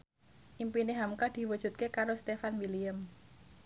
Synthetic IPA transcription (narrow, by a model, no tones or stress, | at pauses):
ʔimpineɦamkad̪̥i̤wədʒ̥ṳt̪̚kekaɾost̪efanwiliəm